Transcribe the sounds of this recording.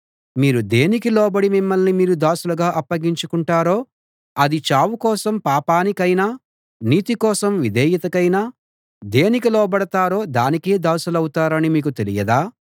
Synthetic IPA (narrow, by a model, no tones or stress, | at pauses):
miːɾud̪e̞ːnikilɔːbɐɽimimːɐlnimiːɾud̪aːsulɐɡaːʔɐpːɐɡiɲt͡ʃukuɳʈaːɾo̞ː | ɐd̪it͡ʃaːwukɔːsɐmpaːpaːnikɐjnaː | niːt̪ikɔːsɐmʋid̪ʱɛːjit̪ɐkɐjnaː | d̪e̞ːnikilɔːbɐɽɐt̪aːɾo̞ːd̪aːnike̞ːd̪aːsulɐwut̪aːɾɐnimiːkut̪e̞lḭjɐd̪aː